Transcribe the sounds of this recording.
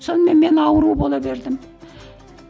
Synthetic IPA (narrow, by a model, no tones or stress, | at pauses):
sonmenmenɑwɾubolˠɑbeɾd̪ɪm